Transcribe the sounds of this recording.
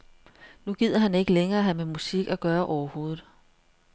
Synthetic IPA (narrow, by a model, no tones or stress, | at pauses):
nuɡ̥ið̞̰ˠɐɦæne̝ɡ̥əleŋɐːɦæmemusiɡ̥æɡ̥ɶːɐʔɒʊɐho̝ːð̩ˠ